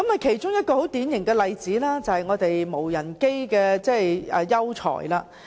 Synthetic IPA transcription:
kɐ˨˥mɐ˨˧jkʰe˨˩jt͡ʃʊ˥ŋjɐ˥t̚kɔː˧ho˨˥wt̪iː˨˥njɪ˨˩ŋkɛː˧lɐ˨jt͡siː˨˥laː˥t͡sɐ˨˧hɐ˨jŋɔː˨˧t̪e˨jmo˨˩wjɐ˨˩nke˥jkɛː˧t͡sɛː˥˩jɛː˨jɐ˥wt͡sʰɔ̰ː˨˩jlaː˧

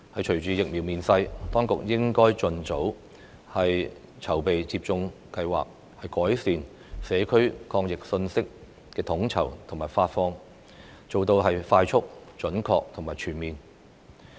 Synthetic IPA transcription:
hɐ˨jt͡ʃʰɵ˨˩ɥt͡syː˨˥jɪ˨k̚mi˨wmiː˨nsɐ˧jt̪ɔː˥ŋkʊ˨k̚jɪ˥ŋkɔː˥jt͡sɵ˨nt͡so˨˥w | hɐ˨j | t͡sʰɐ˨˩wpe˨jt͡siː˧p̚t͡sʊ˧ŋkɐ˧jwa̰ː˨k̚ | hɐ˨jkɔː˨˥jsiː˨n | sɛː˨˧kʰɵ˥ɥkʰɔː˧ŋjɪ˨k̚sɵ˧nsɪ˥k̚ | kɛː˧t̪ʰʊ˨˥ŋt͡sʰɐ̰˨˩wt̪ʰʊ˨˩ŋmaː˨˩jfaː˧t̚fɔː˧ŋ | t͡so˨wt̪o˧wɦɐ˨jfaː˧jt͡ʃʰʊ˥k̚t͡ʃɵ˨˥nkʰɔ̰ː˧k̚t̪ʰʊ˨˩maː˨jt͡ʃʰyː˨˩nmiː˨n

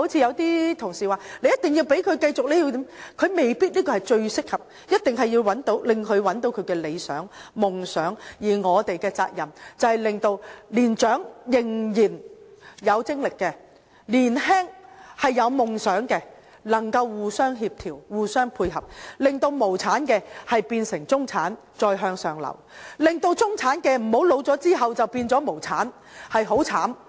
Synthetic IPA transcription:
o˥wt͡sʰiː˧jɐ˨˧wt̪iː˥t̪ʰʊ˨˩ŋsiː˨waː˨le˨˧jɐ˥t̪̚ɪ˨ŋji˧wpe˨˥jkʰɵ˨˧ɥkɐ˧jt͡sʊ˨k̚le˨˥ji˧t̪i˨˥mkʰɵ˨˧me˨˩jpiː˥t̚liː˥kɔː˧hɐ˨˩jt͡ʃɵ˧ɥsɪ˥k̚hɐ˨p̚ | jɐ˥t̚t̪ɪ˨ŋɦɐ˨jːiː˧wɐ˨˥nt̪o˨˥wlɪ˨ŋkʰɵ˨˧ɥwɐ˨˥nt̪o˨˥wkʰɵ˨˧ɥkɛː˧le˨˧jsœ̰ː˨˥ŋmʊ˨ŋsœː˨˥ŋjiː˨˩ŋɔː˨˧t̪e˨jkɛː˧t͡sa̰ː˧k̚jɐ˨˩mt͡sɐ˨whɐ˨jlɪ˨˩ŋt̪o˧wliː˨˩nt͡ʃœː˨˥ŋjɪ˨ŋjiː˨˩njɐ˨˧wt͡sɪ˥ŋlɪ˨kːɛ˧ | liː˨˩nɦɛː˥ŋhɐ˨jːɐ˨˧wmʊ˨ŋsœː˨˥ŋkɛː˧ | nɐ˨˩ŋkɐ˧wːuː˨sœː˥ŋɦiː˧p̚t̪ʰiː˨˩wwuː˨˩sœː˥ŋpʰuː˧jɦɐ˨p̚lɪ˨ŋt̪o˧wmo˨˩wt͡sʰaː˨˥nkɛː˧hɐ˨jpiː˧nsɪ˨˩ŋt͡sʊ˥ŋt͡sʰaː˨˥n | t͡sɔː˧jɦœː˧ŋsœː˨˩ŋlɐ̰˨˩wlɪ˨ŋt̪o˧wt͡sʊ˥ŋt͡sʰaː˨˥nkɛː˧m̩˨˩ho˨˥wlo˨˧wt͡sɔː˨˥t͡siː˥ɦɐ˨wt͡sɐ˨wpiː˧nt͡sɔː˨˥mo˨˩wt͡sʰaː˨˥n | hɐ˨jɦo˨˥wt͡sʰaː˨˥m

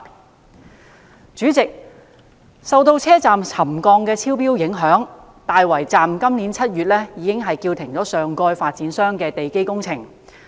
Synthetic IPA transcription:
t͡ʃyː˨˥t͡sɪ˨k̚ | sɐ˨wt̪o˧wt͡sʰɛː˥t͡saː˨mt͡sʰɐ˨˩mkɔː˧ŋkɛː˧t͡sʰiː˥wpiː˥wjɪ˨˥ŋɦœː˨˥ŋ | t̪aː˨jwɐ˨˩jt͡saː˨mkɐ˥mniː˨˥nt͡sʰɐ˥t̚jyː˨t̚lɛ˥jiː˨˧˥kɪ˥ŋɦɐ˨jkiː˧wt̪ʰɪ˨˩ŋt͡sɔː˨˥sœː˨ŋkɔː˧jfaː˧t̚t͡siː˨˥nsœː˥ŋkɛː˧t̪e˨jke˥jkʊ˥ŋt͡sʰɪ˨˩ŋ

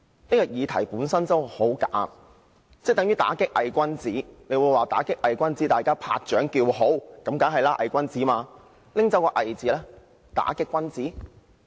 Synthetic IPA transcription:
niː˥kɔː˧jiː˨˧t̪ʰɐ˨˩jpuː˨˥nsɐ˥nt͡sɐ˥who˨˥wkaː˨˥m | t͡sɛ˥˩t̪ŋjɥyː˥t̪a̰ː˨˥kɪ˥k̚ʔɐ˨jkʷɐ˥nt͡siː˨˥ne˨˧jwuː˨˧jwaː˨˩t̪a̰ː˨˥kɪ˥k̚ʔɐ˨jkʷɐ˥nt͡siː˨˥t̪aː˨jkaː˥pʰa̰ː˧k̚t͡ʃœː˨˥ŋkiː˧wɦo˨˥wkɐ˨˥mkaː˨˥ŋɦɐ˨jlaː˥ʔɐ˨jkʷɐ˥nt͡siː˨˥maː˧ | lɪ˥ŋt͡sɐ˨˥wkɔː˧ʔɐ˨˩jt͡siː˨˥lɛː˥ | t̪a̰ː˨˥kɪ˥kːʷɐ˥nt͡siː˨˥

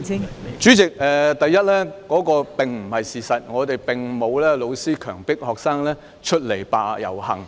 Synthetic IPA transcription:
t͡ʃyː˨˥t͡sɪ˨k̚ɛː˨t̪ɐ˨jːɐ˥t̚lɛː˥kɔː˨˥kɔː˧pɪ˨ŋm̩˨˩hɐ˨jsiː˨˩sɐ˨t̚ŋɔː˨˧t̪e˨jpɪ˨˩ŋmo˨˧wlɛː˥lo˨˧wsiː˥kʰœː˨˩ŋpɪ˥k̚hɔː˨k̚saː˥ŋlɛː˥ | t͡ʃʰɵ˥t̚le˨˩jpaː˨˧jɐ̰˨˩whɐ̰˨˩ŋ

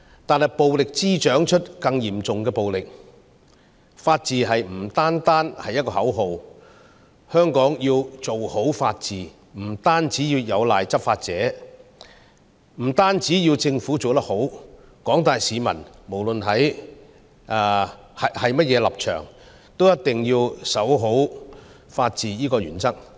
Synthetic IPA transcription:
t̪aː˨˧nhɐ˨˩jpo˨wlɪ˨k̚t͡siː˥t͡ʃœː˨˥ŋt͡ʃʰɵ˥t̚kɐ˧ŋjiː˨˩mt͡sʊ˨ŋkɛː˧po˨wlɪ˨k̚ | faː˧t̚t͡siː˨˧ɦɐ˨jm̩˨˩t̪aː˥nt̪aː˥nhɐ˨jːɐ˥t̚kɔː˧hɐ˨˥wɦo˨w | hœː˥ŋkɔː˨˥ŋjiː˧wt͡so˨who˨˥wfaː˧t̚t͡siː˨ | m̩˨˩t̪aː˥nt͡siː˨˥jiː˧wjɐ˨˧wlaː˨jt͡sɐ˥p̚faː˧t̚t͡sɛ̰ː˨˥ | m̩˨˩t̪aː˥nt͡siː˨˥jiː˧wt͡sɪ˧ŋfuː˨˥t͡so˨wt̪ɐ˥k̚ho˨˥w | kɔː˨˥ŋt̪aː˨jsiː˨˧mɐ̰˨˩nmo˨˩wlɵ˨nɦɐ˨˥j | ʔa˧ | hɐ˨hɐ˨jmɐ˥t̚jɛː˨˧lɐ˨p̚t͡ʃʰœ̰ː˨˩ŋ | t̪o˥wjɐ˥t̚t̪ɪ˨ŋjiː˧wsɐ˨˥wɦo˨˥w | faː˧t̚t͡siː˨˩jiː˥kɔː˧ɥy̰ː˨˩nt͡sɐ˥k̚

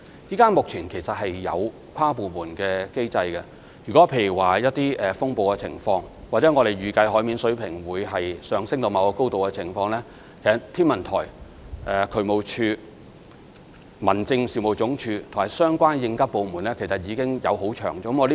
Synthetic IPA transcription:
jiː˥kaː˥nmʊ˨k̚t͡ʃʰiː˨˩nkʰe˨˩jsɐ˨t̚hɐ˨jːɐ̰˨˧w | kʷʰwaː˥puː˨muː˨˩nkɛː˧ke˥jt͡sɐ˧jkɛ˧ | jyː˨˩kɔː˨˥pʰe˧˥jy˨˩waː˨˩jɐ˥t̚t̪iː˥ʔɛː˨fʊ˥ŋpo˨wkɛ˧t͡sʰɪ̰˨˩ŋfɔː˧ŋwa˨t͡sɛː˨˥ŋɔː˨˧ɾe˨jɥyː˨˩kɐ˧jɦɔː˨˥jmiː˨˥nsɵ˨˥ɥpʰɪ˨˩ŋwuː˨˧jɦɐ˨jsœː˨˧ŋsɪ˥ŋt̪o˧wmɐ˨˧wkɔ˧ko˥wt̪o˨wkɛ˧t͡sʰɪ˨˩ŋfɔː˧ŋlɛː˥ | kʰe˨˩sɐ˨t̪ʰːiː˥nmɐ˨˩nt̪ʰɔ̰ː˨˩j | ʔɛː˨kʰɵ˨˧˥mo˨˧wt͡ʃʰyː˧ | mɐ˨˩nt͡sɪ˧ŋsiː˨˩mo˨˩wt͡sʊ˨˥ŋt͡ʃʰyː˨˧t̪ʰʊ˨˩ŋ˨ɐ˨˩sœː˥ŋkʷaː˥njɪ˧ŋkɐ˥t̚po˨˧muː˨˩nlɛː˥kʰe˨˩sɐ˨t̚jiː˨˧kɪ˥ŋjɐ̰˨˧who˨˥wt͡ʃʰœ̰ː˨˩ŋt͡ʃɔː˧kə˥mɔ˨˧l

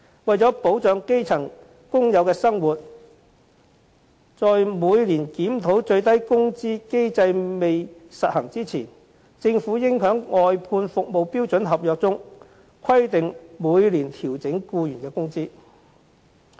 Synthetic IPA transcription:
wɐ˨jt͡sɔː˨˥po˨˥wt͡sœː˨˧ŋke˥jt͡sʰɐ˨˩ŋ | kʊ˥ŋjɐ˨˧wkɛː˧sɐ˥ŋwuː˨t̚ | t͡sɔː˨˧jmuː˨˧jliː˨˩nkiː˨˥mt̪ʰo˨˥wt͡ʃɵ˧ɥt̪̬ɐ˥jkʊ˥ŋt͡siː˥ke˥jt͡sɐ˧jme˨jsɐ˨t̚hɐ˨˩ŋt͡siː˥t͡sʰiː˨˩n | t͡sɪ˧ŋfuː˨˥jɪ˥ŋɦœː˨˥ŋŋɔː˨˧jpʰuː˧nfʊ˨k̚mo˨wpiː˥wt͡sɵ˨˥nɦɐ˨p̚jœː˨k̚t͡sʊ˥ŋ | kʰɐ˥jt̪ɪ˨ŋmuː˨˧jliː˨˩nt̪ʰiː˨˩wt͡sɪ˨˥ŋkuː˧jyː˨˩nkɛː˧kʊ˥ŋt͡siː˥

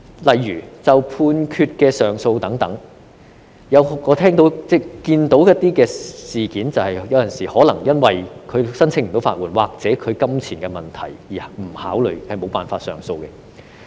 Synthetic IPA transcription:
lɐ˨jːyː˨˩t͡sɐ˨wpʰuː˧nkʰyː˧t̚kɛː˧sœː˨ŋso˧wt̪ɐ˨˥ŋt̪ɐ˨˥ŋ | jɐ˨˧wɔː˨˧t̪ʰɛː˥ŋt̪o˨˥wt͡sɛː˥kiː˧nt̪o˨˥wjɐ˥t̪̚ːiː˥kɛː˧siː˨kiː˨˥nt͡sɐ˨whɐ˨jjɐ˨˧wjɐ˨nsiː˨hɔː˨˥lɐ˨˩ŋjɐ˥nwɐ˨jkʰɵ˨˧sɐ˥nt͡sʰɪ˥ŋm̩˨˩t̪o˨˥wfaː˧t̚wuː˨˩nwaː˨k̚t͡sɛː˨˥kʰɵ˨˧ɥkɐ˥mt͡sʰiː˨˩nkɛː˧mɐ˨˩nt̪ʰɐ̰˨˩jjiː˨˩m̩˨˩haː˨˥wlɵ˨˩hɐ˨jmo˨˧wpaː˨nfaː˧tsœ̰ː˨˩ŋso˧wkɛ˧

